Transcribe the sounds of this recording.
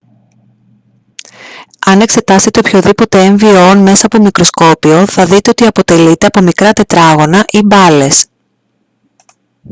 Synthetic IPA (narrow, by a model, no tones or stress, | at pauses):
ɐne̞kse̞t̪ɐst̪e̞t̪e̞opço̞ðipo̞t̪e̞eɱvio̞nme̞sɐːpo̞mikɾo̞sko̞pio̞θɐðit̪e̞o̞t̪iɐpo̞t̪e̞lit̪e̞ɐpo̞mikɾɐt̪e̞t̪ɾɐɣo̞nɐʔibɐle̞s